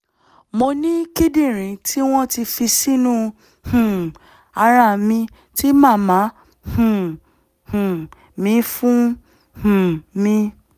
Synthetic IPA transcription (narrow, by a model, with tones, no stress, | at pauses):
mo˧nĩ˦ki˦dĩ˦˨ɾ̃ĩ˨tʰi˦w̃ɔ̃˦ti˧fi˧si˦nũ˦ | hũ˨ | a˧ɾa˦˨mĩ˧ | ti˦mãː˦˨˦mã˨˦ | hũ˨ | hũ˨ | mĩ˨˦fũ˦ | hũ˨mĩ˧